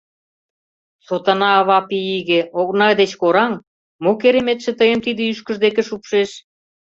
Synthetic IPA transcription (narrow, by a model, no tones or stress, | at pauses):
sot̪ɑnɑβɑpiiɣĕoɣnɑd̪et͡ɕkoɾɑŋ | mokeɾemet̪ʃĕt̪əjəmt̪id̪ĕyʃkə̆ʒd̪ekĕʃupʃeʃ